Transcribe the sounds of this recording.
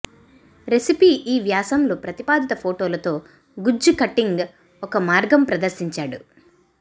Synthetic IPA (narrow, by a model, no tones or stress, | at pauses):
ɾesipiːʔiːʋjaːsɐmlupɾɐt̪ipaːd̪it̪ɐpʰoːʈoːlɐt̪o̞ː | ɡud͡ʒukɐʈːiŋɡ | ɔkɐmaːɾɡɐmpɾɐd̪ɐɾsiɲt͡ʃaːɽu